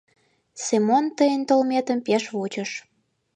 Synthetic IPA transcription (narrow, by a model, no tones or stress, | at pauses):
semont̪əjənt̪olmet̪əmpeʃvut͡ɕə̆ʃ